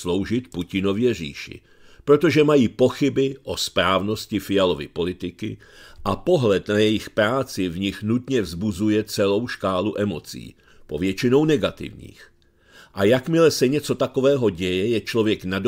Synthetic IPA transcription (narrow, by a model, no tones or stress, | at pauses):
slo̞wʒɪt̪pucɪno̞vjɛr̝ḭːʃɪ̰ | pɾo̞t̪o̞ʒɛmajiːpo̞xɪbɪʔo̞spɾaːvno̞scɪfɪjalo̞vɪ̰po̞lɪt̪ɪkɪ | ʔapo̞ɦlɛt̪najɛjɪxpɾaːt͡sɪvɲɪxnut̪ɲɛvzbuzujɛt͡sɛlo̞wʃkaːluʔɛmo̞t͡sḭː | po̞vjɛt͡ʃɪno̞wnɛɡat̪ɪ̰vɲḭːx | ʔajakmɪlɛsɛɲɛt͡so̞t̪ako̞vɛːɦo̞ɟɛjɛjɛt͡ʃlovjɛknado